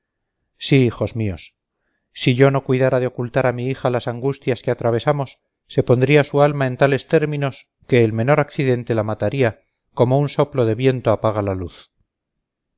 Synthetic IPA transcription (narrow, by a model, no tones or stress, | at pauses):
siixo̞zmio̞s | siʝo̞no̞kwiðaɾaðeo̞kult̪aɾamiixalasaŋɡust̪jaske̞at̪ɾaβ̞e̞samo̞sː | e̞po̞nd̪ɾiasualmae̞nt̪ale̞st̪e̞ɾmĩno̞s | ke̞ːlme̞no̞ɾakθiðe̞nt̪e̞lamat̪aɾia | ko̞mounso̞plo̞ðe̞βje̞nt̪oapaɣ̞alaluθ